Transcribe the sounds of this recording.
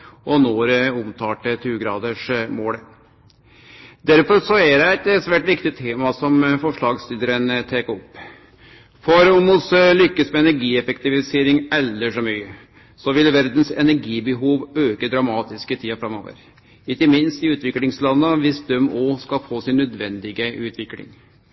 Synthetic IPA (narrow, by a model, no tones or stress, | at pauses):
ʔɔnoːɾʊmt̪ʰɑːʈət̪ʰʉːɡɾɑ̰ːd̪əʂmoːlə | d̪æɾfɔɾsɔæd̪ɛɛt̪sʋæːʈʋɪkt̪ɪt̪ʰːeːmɑsɔmfɔʂɭɑːɡslid̪əɾənt̪ʰeːkəɔpː | fɔɾʊmʊslʏkːəsmɛɛnæɾɡiːɛfɛkt̪ɪʋɪseːɾɪŋɛlːəʂɔmyːə | sɔʋɪlʋæɾd̪n̩sɛ̰næɾɡiːbəɦuːʋøːkəd̪ɾɑmɑːt̪ɪskət̪ʰiːɑfɾɑmo̰ːʋə̰ɾ | ɪkːəmɪnst̪ɪʉːt̪ʋɪklɪŋslɑnːəʋɪsd̪œmɔːskɑlfoːsɪnːœd̪ʋɛnd̪ɪɡəʉːt̪ʰʋɪklɪ̰ŋ